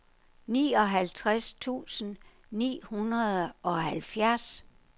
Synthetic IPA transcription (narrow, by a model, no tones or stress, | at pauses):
niːɒ̽ɦælt͡sʰʁast͡sʰṵːsən̩ | nḭːhunɐð̩ˠʔɒ̽ɦælfjæɐs